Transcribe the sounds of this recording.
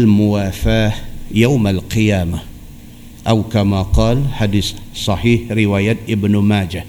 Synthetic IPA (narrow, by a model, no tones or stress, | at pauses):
lmʊwaːfaːjawmalqɨjaːma | ʔawkamaqɑːlħad̪issˤɑħiːħɾɪwaːjat̪ʔɪbnmaːd͡ʒa